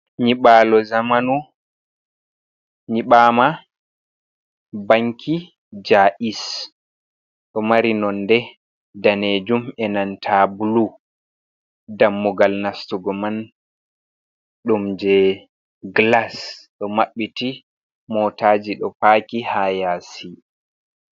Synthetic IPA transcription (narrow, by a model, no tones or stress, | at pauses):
ɲiɓaːlɔzamanu | ɲiɓaːma | baŋkʰi | d͡ʒaʔis | ɗɔmaɾinɔndɛ | daned͡ʒumɛnantʰabulu | damːuɡalnastuɡɔman | ɗumd͡ʒɛ | ɡlasɗɔmaɓːiti | mɔtaːd͡ʒiɗɔpaːkihajasi